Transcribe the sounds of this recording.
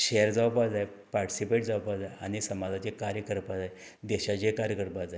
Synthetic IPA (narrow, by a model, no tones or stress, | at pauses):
ɕeəɾd͡zawpad͡zaj | paɾʈi̥sipeʈd͡zawpad͡zaja̰ñisəmad͡zat͡ɕekaɾjəkəɾpad͡zaj | d̪ɛɕat͡ɕekaɾjəkəɾpad͡zaj